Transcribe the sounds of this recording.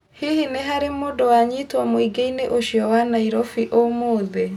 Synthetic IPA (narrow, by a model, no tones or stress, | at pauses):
hihineɦaɾemodɔwaɲitwɔmoiɡeineʔoʃiɔwanaiɾɔfiʔomoðe